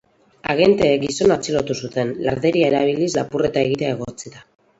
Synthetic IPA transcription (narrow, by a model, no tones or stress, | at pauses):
a̰ɣe̞nt̪e̞ɡiso̞nat͡silot̪usut̪e̞nlaɾðe̞ɾiae̞ɾaβ̞ilislapure̞t̪aeɣ̞iɾae̞ɣ̞o̞t͡siða